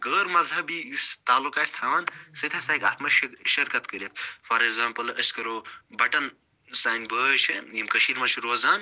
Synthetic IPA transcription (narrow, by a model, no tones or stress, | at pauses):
ɡəːɾmɐzɦɐbijust̪aːlːukaːist̪ʰaːnsɨt̪ʰɐsaːka̰ːt̪mɐʃʃɐɾkɐt̪kəɾʲɐt̪ʰfɐɾeɡzãːmpɐlɐskɐɾoːbɐʈɐn | saːjnbəːt͡ʃʰɨjimkɐʃiɾmɐt͡ʃʰuɾoːzaːn